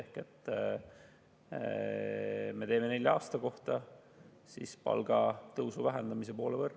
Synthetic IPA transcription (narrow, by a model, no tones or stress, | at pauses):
ehke̞t̪ˑː | me̞t̪e̞ːme̞ne̞lʲːjɑɑːst̪ɑko̞ht̪ɑ | sḭspɑ̰lɡ̥ɑt̪ɤwsuvæɦend̪̥ɑmise̞po̞ːlevɤrː